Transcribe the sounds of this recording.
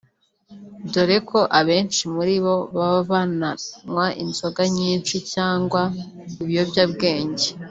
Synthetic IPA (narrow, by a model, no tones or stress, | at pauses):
doɾeko̞ʔaβe̞ːnʃimuɾiβo̞βaββananwaʔḭnzo̞ɡaɲiːnt͡ʃicaːŋɡwa | iβijobjabɡe̞ːɲɟe